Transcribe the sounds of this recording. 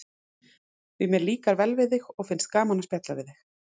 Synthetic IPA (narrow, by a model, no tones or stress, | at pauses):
vɪmjɛɾliːkaɾvɛlvɪðɪxɔɣfɪnst̪̚kaːmanaspjɛht̪lavɪðɪx